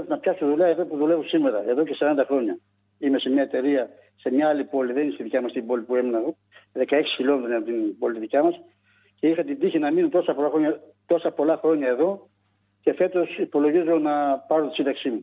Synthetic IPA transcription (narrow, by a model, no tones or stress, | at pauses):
t̪nɐpçɐsoðuʎɐe̞ðo̞puðule̞vosime̞ɾɐe̞ðo̞ce̞sɐɾɐnd̪ɐxɾo̞ɲɐ | ime̞se̞mɲɐe̞t̪e̞ɾiɐ | se̞mɲɐɐlipo̞liðeninest̪iðicɐmɐst̪ibo̞lipue̞menɐ | ðe̞kɐeksi̥çilo̞met̪ɾoneɐpot̪inbo̞lit̪it̪icɐmɐs | ce̞ixɐt̪id̪içinɐminut̪o̞sɐpolɐxɾoɲɐt̪o̞sɐpo̞lɐxɾo̞ɲɐe̞ðo̞ | ce̞fe̞t̪o̞sipo̞lo̞ʝizo̞nɐpɐɾot̪isind̪ɐksimu